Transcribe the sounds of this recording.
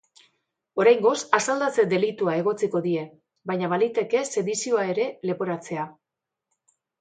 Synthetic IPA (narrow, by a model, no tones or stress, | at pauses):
o̞ɾajŋɡo̞sasald̪at͡se̞d̪e̞lit̪uae̞ɣ̞o̞t͡siko̞ðie̞ | bajɲaβalit̪e̞ke̞se̞ðisio̞ae̞ɾe̞le̞po̞ɾat͡se̞a